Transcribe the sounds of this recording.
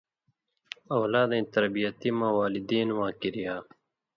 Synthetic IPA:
ɐwlaːd̪ẽit̪ɐɾbijɐt̪imawaːlid̪iːnwãːkiɾijaː

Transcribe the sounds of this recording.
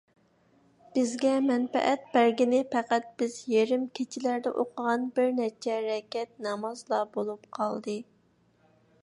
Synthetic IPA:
b̥ɪzɡʲɛmɛnfɛ̰ʔɛt̪̚bæɾɡʲinɪpʰɛqæt̪̚b̥ɪzjeɾɪmkʲʰet͡ʃʰilæɾd̪ɛʔoqʰəʁɑnbɪɾnɛt͡ʃʰɛɾɛkʲɛt̪̚nɑmɑzlˠɑbolˠupqʰɑlˠd̪ɨ

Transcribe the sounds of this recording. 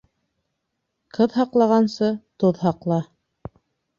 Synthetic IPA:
qʰɤðɦɑqlˠɑʁɑnsɤt̪oðɦɑqlˠɑ

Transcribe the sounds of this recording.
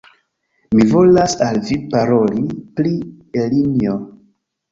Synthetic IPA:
mivo̞lasalvipaɾo̞lipli | elinio

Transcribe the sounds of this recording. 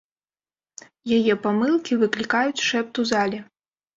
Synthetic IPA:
jajɛpamɨlˠkʲivɨklʲikajut͡sʲʂɛp̚t̪uzalʲɛ

